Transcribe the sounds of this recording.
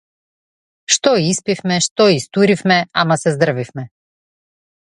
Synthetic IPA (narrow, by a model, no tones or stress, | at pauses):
ʃt̪ɔiispifmɛʃt̪ɔist̪uɾifmɛamasɛzd̪r̩vifmɛ